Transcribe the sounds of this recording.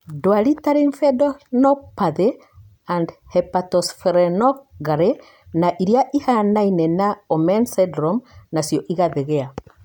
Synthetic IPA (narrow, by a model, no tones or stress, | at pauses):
dwaɾitaɾiɱfɛdɔnɔpaðe | andhɛpatɔsfeɾɛnɔɡaɾe | naʔiɾjaʔihanainɛnaɔmɛnsɛdɾomnasjɔʔiɣaðeɣea